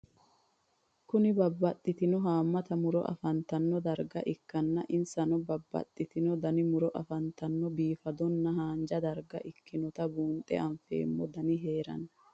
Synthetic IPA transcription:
kʊnɪbɐbːɐt̪ʼːɪt̪ɪnɔɦaːmːɐt̪ɐmʊɾɔ̰ʔɐ̰fɐnt̪ɐnːɔd̪ɐɾɡɐ̰ʔɪkːɐnːɐʔɪnsɐnɔbɐbːɐ̰t̪ʼːɪt̪ɪnɔd̪ɐnɪmʊɾɔʔɐfɐnt̪ɐnːɔbiːfɐd̪ɔnːɐɦaːnd͡ʒɐd̪ɐɾɡɐʔɪkːɪnɔt̪ɐbuːnt̪ʼɛ̰ɐɱfḛːmːɔd̪ɐnɪɦe̞ːɾɐ̰nɐ

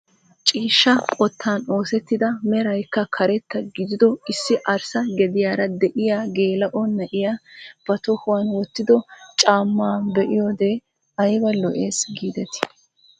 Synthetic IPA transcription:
t͡ʃʼiːʃːɐkʼɔt̪ʰːaːno̞ːsɛt̪ːɪd̪ɐmɛɾɐjkːɐkʰɐɾɛt̪ːɐɡɪd̪ɪd̪ɔɪsːɪʔɐɾsɐɡɛd̪ɪjaːɾɐd̪ɛʔɪjaːɡe̞ːlɐʔɔnːɐʔɪjaːb̥ɐt̪ɔhʊwɐnwɔt̪ːɪd̪ɔt͡ʃʼaːmːaːbɛʔɪjoːd̪eː | ɐjbɐlɔʔe̞ːsɡiːd̪ɛt̪ɪ̥

